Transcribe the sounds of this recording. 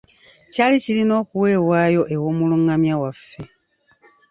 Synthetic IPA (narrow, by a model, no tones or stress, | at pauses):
caːlicilino̞ːkuwe̞ːwaːjo̞ʔe̞wo̞ːmuluŋɡamjawafːe̞